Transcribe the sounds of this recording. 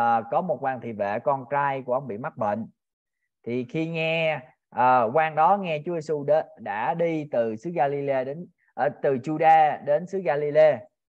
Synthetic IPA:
kɔ˨˦mo˨˩t̚kwaː˧˩ŋt̪ʰḭ˧˨˩vḛ˧˨kɔ˧nt͡ɕaː˧jku˧˩əʔə˧wŋ͡mɓḭ˧˨ma˦˥t̚ɓḛ˧˨n | t̪ʰi˨˩xi˧ŋɛ˧ | ʔəː˨˩kwaː˧ŋɗɔ˨˦ŋɛ˧t͡ɕu˨˦ze˧su˧ɗe˨˦ɗa̰ː˧˥ɗi˧t̪ɨ˨˩sɨ˨˦ɣaː˧li˧le˧ɗe˨˦n | ʔːt̪ɨ˨˩t͡ɕu˧ɗaː˧ɗe˨˦nsɨ˨˦ɣaː˧li˧le˧

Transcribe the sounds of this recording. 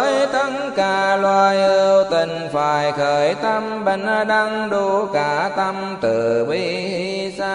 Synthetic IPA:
jt̪ə˧˥ŋkaː˨˩˦lwaː˧˩jʔi˧˩wt̪i˨˩ŋ̟faː˨˩jxəː˨˦jt̪a˧mɓə˧˩n̟ʔaː˧˩ɗa˧ŋɗo˧kaː˨˦t̪a˧m | t̪ɨ˨˩ɓi˧˦ | hi˧ | saː˧

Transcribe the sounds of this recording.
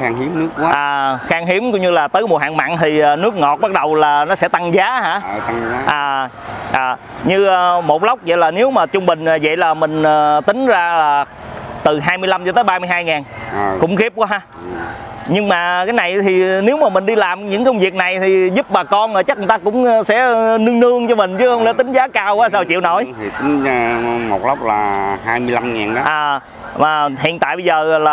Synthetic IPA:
a˧ŋi˨˦mn˦˥əkwa˨˧ʔaː˨˩xaː˧ŋɦi˨˦əmkʊ̰˧˥wɲɨ˧laː˨˩t̪əː˨˦jmu˨˩əɦa̰ː˧˨ŋma̰ː˧˨nt̪ʰi˨˩aː˨˩nɨ˦˥k̚ŋɔ˨˩t̚ɓa˦˥k̚ɗə˨˩wlaː˨˩nɔ˨˦sɛ̰˧˥t̪a˧ŋzaː˨˦ha̰ː˧˥˧ʔaː˨˩ | ʔaː˨˩ | ɲɨː˧˨˩mo˨˩t̚lə˦˥wk͡p̚və̰˧˨jlaː˨˩ne˨˦wmaː˨˩t͡ɕʊ˧ŋ͡mɓï˨˩ŋ̟ʔaː˨˩və̰˧˨jlaː˨˩mï˨˩ŋ̟əː˨˩t̪ï˨˦ŋ̟zaː˧laː˨˩ | t̪ɨ˨˩ɦaː˧jmɨ˧əjla˧mt͡ɕɔ˧t̪əː˨˦jɓaː˧mɨ˧əjhaː˧jŋaː˨˩n˨kʊ̰˧˥ŋ͡mxi˦˥p̚kwaː˨˦ɦa˧˩˨ | ɲɨ˧ŋmaː˨˩kaː˨˦jna˨˩jt̪ʰi˨˩ne˨˦wmaː˨˩mï˨˩ŋ̟ɗi˧laː˨˩mɲɨ̰˧˥ŋkə˧wŋ͡mvi˨˩ək̚na˨˩jt̪ʰi˨˩zu˦˥p̚ɓaː˨˩kɔ˧nəː˨˩t͡ɕa˦˥k̚ŋ˨˩t̪aː˧kʊ̰˧˥ŋ͡msɛ̰˧˥nɨ˧ŋnɨ˧əŋt͡ɕɔ˧mï˨˩ŋ̟t͡ɕɨ˨˦hə˧wŋ͡mlḛ˧˥˦t̪ï˨˦ŋ̟zaː˨˦kaː˧wkwaː˨˦saː˧˩wt͡ɕḭ˧˨əwno̰˧˩˦jt̪ʰi˨˩t̪ï˨˦ŋ̟˧mo˨˩t̚lə˦˥wp̚la̰ː˨˩ɦaː˧jmɨ˧əjla˧mŋi˨˩nː˨˦ʔaː˨˩ | vaː˨˩hḭ˧˨ənt̪a̰ː˧˨jɓə˧zəː˨˩laː˨˩

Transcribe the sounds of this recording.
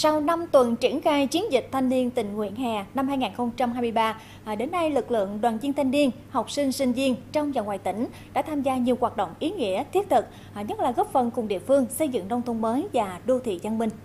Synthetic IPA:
sa˧wna˧mt̪wə˨˩nt͡ɕi˧˩ənxaː˧jt͡ɕi˨˦ənzï˨˩k̚t̪ʰa˧jŋni˧ənt̪ï˨˩ŋ̟ŋwḭ˧˨ənɦɛ˨˩na˧mhɦaː˧jŋaː˨˩nxə˧wŋ͡mt͡ɕa˧mɦaː˧jmɨ˧jɓaː˧˩ | ɗe˨˦nːa˧jlɨ˨˩k̚lɨ̰˧˨əŋɗwaː˨˩nzi˧ənt̪ʰjŋ̟ni˧ən | ha˨˩wk͡p̚sï˧ŋ̟sï˧ŋ̟zi˧ənt͡ɕɔ˧wŋ͡mza˨˩ŋwaː˨˩jt̪ï˧˩ŋ̟ | ɗa̰ː˧˥t̪ʰaː˧mzaː˧ɲi˨˩əwaː˨˩t̚ɗo̰˧˨wŋ͡mʔi˨˦ŋḭ˧˥ət̪ʰi˦˥t̚t̪ʰɨ˨˩k̚ | ɲə˦˥t̚laː˨˩ɣɔ˦˥p̚fə˨˩nkʊ˨˩ŋ͡mɗḭ˧˨əfɨ˧əŋsə˧jzɨ̰˧˨ŋnɔ˧wŋ͡mt̪ʰə˧ŋ͡mməː˨˦jvaː˨˩ɗo˧t̪ʰḭ˧˨za˧nmï˧˩ŋ̟

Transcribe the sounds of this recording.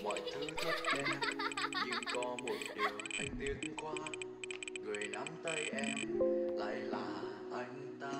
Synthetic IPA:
mɔ̰˧˨jtʰ | kɔ˧mo˨˩t̚t͡ɕʔʰa˧jŋ̟t̪i˧ənkwaː˧ | ŋɨ˨˩əjna˨˧˦mt̪ə˧jʔɛ˧mla̰ː˧˩jlaː˨˩ | ʔa˧jŋ̟t̪aː˧

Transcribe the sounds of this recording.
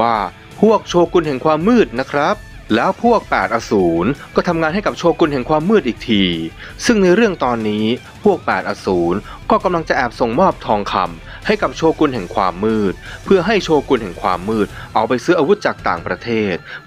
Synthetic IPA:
waː˥˩ | pʰu˥˩ək̚t͡ɕʰoː˧ku˧nɦɛ˨˩ŋkʰwaː˧mːɯː˥˩t̪̚na˦˥kʰɾa˦˥p̚ | lɛː˦˥wpʰu˥˩ək̚pɛː˨˩t̪̚ʔaː˧suː˩˦nkɔː˥˩t̪ʰa˧mŋaː˧nha˥˩jka˨˩p̚t͡ɕʰoː˧ku˧nɦɛ˨˩ŋkʰwaː˧mːɯː˥˩t̪̚ʔiː˨˩k̚t̪ʰiː˧ | sɯ˥˩ŋna˧jɾɯ˥˩əŋt̪ɔː˧nːiː˦˥ | pʰu˥˩ək̚pɛː˨˩t̪̚ʔaː˧suː˩˦n | kɔː˥˩ka˧mla˧ŋt͡ɕa˨˩ʔɛː˨˩p̚so˨˩ŋmɔː˥˩p̚t̪ʰɔː˧ŋkʰa̰˧m | ha˥˩jka˨˩p̚t͡ɕʰoː˧ku˧nɦɛ˨˩ŋkʰwa̰ː˧mːɯː˥˩t̪̚pʰɯ˥˩ɐɦa˥˩jt͡ɕʰoː˧ku˧nɦɛ˨˩ŋkʰwa̰ː˧mːɯː˥˩t̪̚ʔa˧wpa˧jsɯː˦˥ʔaː˧wu˦˥t̪̚t͡ɕaː˨˩k̚t̪a̰ː˨˩ŋpɾa˧t̪ʰeː˥˩t̪̚

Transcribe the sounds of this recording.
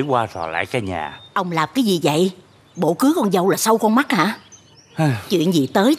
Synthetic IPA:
kwaː˧zɔ˨˩la̰ː˧˥˨jkaː˧jɲa̰ː˨˩ʔə˧wŋ͡mlaː˨˩mkaː˨˦jzi˨˩və̰˧˨j | ɓo̰˧˥kɨ˨˦kɔ˧nzə˧wlaː˨˩sə˧wkɔ˧nma˦˥t̚ha̰ː˧˨˧ | t͡ɕwḭ˧˨ənzi˨˩t̪əː˨˦j

